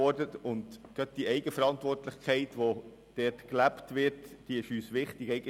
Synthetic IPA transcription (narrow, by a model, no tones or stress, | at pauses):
ɔɾdətʊndɡ̥œt̪̚d̥iɛɪɡəfəɾɑntʋɔrtlɪχkʰχɛɪtʋo | d̥ɛːtklæptʋɪɾtd̥iɪʃyːsʋɪχtɪɡɛɪɡə